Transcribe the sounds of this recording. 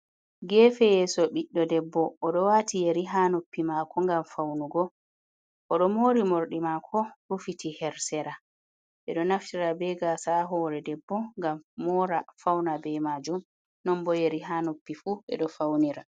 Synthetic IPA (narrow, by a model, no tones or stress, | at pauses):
ɡɛːfɛjɛːsɔɓiɗːɔdɛbːɔʔːɗɔwaːtijeɾiɦanopːimaːkɔŋɡamfawnuɡɔ | ʔɔɗɔmoːɾimoɾɗimakʰɔɾufitʰihɛɾsɛɾa | ɓɛɗɔnaftiɾabɛɡasaɦɔːɾɛdɛbːɔŋɡammɔɾafawnabɛmad͡ʒum | nɔmbɔjeɾiɦanopːifuɓɛ̰ɗɔfawniɾa